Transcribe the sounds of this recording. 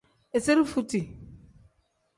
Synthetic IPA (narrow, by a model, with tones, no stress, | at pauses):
e˨se˦ɾi˦fu˦ti˨